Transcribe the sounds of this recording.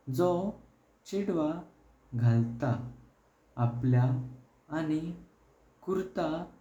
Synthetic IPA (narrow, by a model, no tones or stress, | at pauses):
d͡zɔ | t͡ɕiɽʋa | ɡʱalt̪aː | pljaː | ni | kuɾt̪a